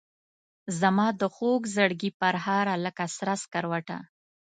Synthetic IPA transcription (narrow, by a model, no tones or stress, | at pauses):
zamɑd̪əxoɡzaɽɡipaɾɦɑɾaləkasɾaskaɾwaʈa̰